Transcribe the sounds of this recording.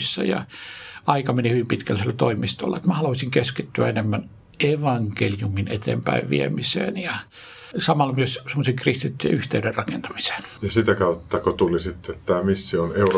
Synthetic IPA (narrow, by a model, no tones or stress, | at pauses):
sːɑ̰jɑ̰ʔɑikɑmenihyʋimpit̪kælselːæt̪oimist̪o̰lːɑet̪mæhɑluʋɑsʲiŋkeskit̪ːyæ̰enemːæn | ʔeʋɑŋkeljuminet̪ḛːmpæ̰iʋʋḭemisḛːnjɑ | sɑmɑlmyøssemːoseŋkrist̪it̪ːyjḛyht̪eyderrɑkent̪ɑ̥mise̥ːnjɑsit̪ækɑut̪ːɑkot̪ulisit̪ːet̪t̪æːmisːioneur